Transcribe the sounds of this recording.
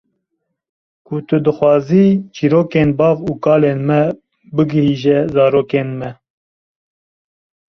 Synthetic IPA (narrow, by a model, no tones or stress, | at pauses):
kʰʊt̪ɨd̪ɨxwɑːziːt͡ʃiːɾoːkeːnbɑːvuːkɑːleːnmɛ | bɨɡɨhiːʒɛzɑːɾoːkeːnmɛ